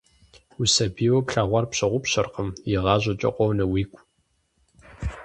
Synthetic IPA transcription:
usɐbiːwɔpɬaːʁʷɑrpɕɐʁʷʊpɕɐrqəmjɪʁɑːʑʷɐt͡ʃʼɐ̰qʷɔwnɐwiːkʷʼ

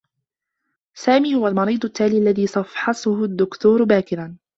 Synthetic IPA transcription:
saːmiːhʊwalmɑɾiːd̪ˤʊt̪ːaːliːʔalːaðiːsˤɑfħɑsʊhʊd̪ːʊkt̪uːɾbaːkɪɾan

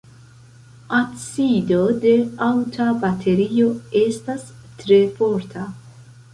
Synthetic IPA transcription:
asido̞de̞awtʰabatʰe̞ɾio̞e̞stastɾe̞fo̞ɾtʰa

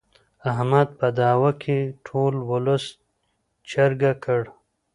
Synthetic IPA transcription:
aɦmad̪̚pad̪aːwakʰeʈʰoːlwʊlʊs | t͡ʃɐɾɡakʰəɽ

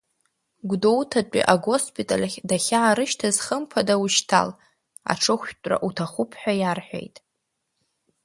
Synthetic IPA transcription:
ɡʷdowtʰat͡pʷʼḭʔaɡo̞spʰʼitʼalʲadaχʲaːɾɨʃtʰazχəmpʰadawuʃtʰa̰l | a̰ʈ͡ʂʰɨχʷtʼra̰ʔutʰaχʷʊpʰħʷᶣajarħʷᶣḛjtʼ

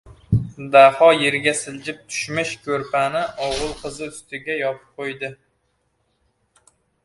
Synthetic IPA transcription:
d̪ahɒjeɾɡʲɛsɪld͡ʒɪp̚t̪ʰy̥ʃmɪʃkʲʰɵɾpʰænɪʔɒwʁɨlˠqʰəzɨyst̪ʰɪɡʲɛjɒpʰɨ̥p̚qʰojd̪ɪ

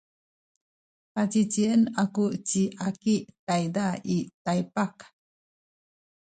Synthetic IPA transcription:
pat͡ɕit͡ɕiənakut͡ɕiʔakiʔtajdaitajpak

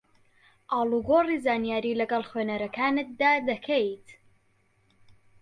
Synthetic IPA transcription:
ʔɑːlˠuɡoːrizaːnijaːɾiːlɐɡɐlˠχweːnɐɾɐkʰaːnɨt̪̚d̪aːd̪ɐkʰejt̪

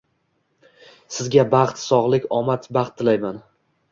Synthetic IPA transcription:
sɪzɡʲabɑχt̪sɒʁlˠɪkʲɒmat̪bɑχt̪ʰːɪlajman

